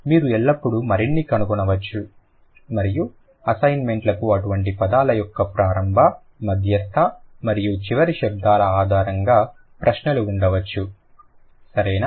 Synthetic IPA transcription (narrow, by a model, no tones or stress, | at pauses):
miːɾuɛɭːɐpːuɽumɐɾiɳːikɐnukɔnɐʋɐt͡ʃːu | mɐɾiju | ɐsɐjnme̞ɳʈlɐkuɐʈuʋɐɳʈipɐd̪aːlɐjɔkːɐpɾaːɾɐmbʱɐ | mɐd̪ʱjɐt̪ʰːɐmɐɾijut͡ʃiʋɐɾiʃɛb̚d̪aːlɐaːd̪ʱaːɾɐŋɡaː | pɾʔɐʃnɐluːɳɖɐʋɐt͡ʃːu | sɐɾɐjnaː